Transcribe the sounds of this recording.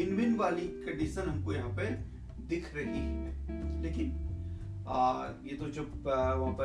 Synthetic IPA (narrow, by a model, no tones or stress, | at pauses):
ɪnʋɪnʋaːlikɐ̃ɖiʃənɦɐmkojɐɦãːpe | d̪ɪkʰɾɐɦiɦɛleːkɪn | jet̪od͡ʒɐbʋɐɦãpɐ